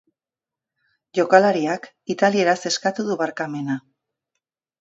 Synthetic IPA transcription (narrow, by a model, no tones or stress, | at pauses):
ʝo̞kalaɾiak | it̪alie̞ɾase̞skat̪uðuβaɾkame̞na